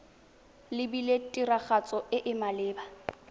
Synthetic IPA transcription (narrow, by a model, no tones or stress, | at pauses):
lɪbiletʼiraχat͡sʼɔɪʔɪmalɪːba